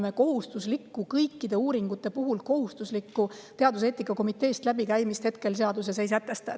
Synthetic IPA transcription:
me̞ko̞ɦust̪uslikːukɤjkːid̪̥e̞uːɾiŋɡ̥ut̪ːˑe̞puɦulko̞hust̪uslikːut̪eɑd̪us̬e̞ːt̪ːˑikːˑɑko̞mit̪ːˑe̞ːst̪læbikæjmist̪he̞t̪̚ke̞lseɑd̪use̞s̬e̞js̬æt̪ːˑe̞st̪ɑ

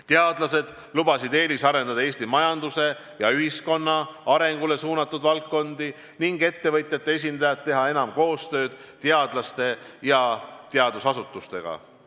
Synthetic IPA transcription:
t̪eɑd̪lɑse̞d̪̥ | lubɑsid̪e̞ːlisɑɾe̞nd̪ɑd̪ɑe̞ːsʲt̪imɑjɑnd̪use̞ | jɑyɦisko̞nːɑɑɾe̞ŋɡule̞suːnɑt̪ˑːud̪vɑlkːo̞nd̪̥i | niŋɡe̞t̪ːe̞vɤt̪ʲjɑt̪ːˑee̞s̬ʲind̪ɑjɑt̪ːe̞ɦɑe̞nɑmko̞ːst̪ø̞ːd̪̥ | t̪eɑd̪̥lɑst̪e̞jɑt̪eɑd̪usɑsut̪ːˑust̪e̞ɡ̥ɑ̰

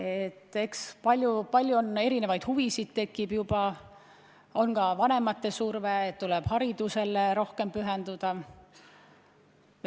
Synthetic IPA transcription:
e̞t̪ˑːe̞kspɑlʲjupɑlʲjuone̞ɾine̞vɑjd̪̥huvisid̪̥̚t̪e̞kːˑib̥jubɑ | o̞nkɑvɑne̞mɑt̪ːe̞surveːt̪t̪ːulɛb̥hɑɾid̪̥use̞leɾo̞hke̞mpyɦend̪ud̪̥ɑ

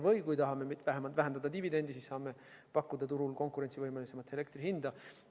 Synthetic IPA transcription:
vɤjkujt̪ɑɦɑmemit̪væɦemɑlt̪væɦed̪̥ɑd̪ɑt̪ivid̪e̞nd̪̥isisːɑːme̞ | pɑkːud̪̥ɑt̪uɾulko̞ŋkˑuɾensivɤjmelise̞mɑt̪ːe̞le̞k̚t̪riɦind̪̥ɑ

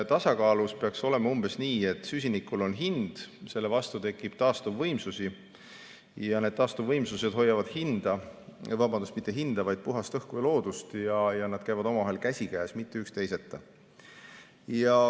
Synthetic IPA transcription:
t̪ɑsɑkɑːluspe̞ɑkso̞le̞mɑumb̥e̞sniːe̞t̪ːˑsys̬ʲinikːˑulo̞nɦind̪̥se̞lːe̞vɑst̪ut̪e̞kːˑib̥̚t̪ɑːst̪uvːɤjmsusi | jɑne̞d̪̥̚t̪ɑːst̪uvɤjmsuse̞d̪̥o̞jːɑvɑd̪̥hind̪̥ɑvɑbɑnd̪ust̪mit̪ːˑeɦind̪̥ɑvɑjd̪̥̚puɦɑst̪ɤhkujɑlo̞ːd̪ust̪jɑjɑnɑd̪̥kæjvɑd̪o̞mɑvɑɦe̞lkæsʲikæːsmit̪ːˑe̞ykst̪e̞jse̞t̪ːˑɑ | jɑ

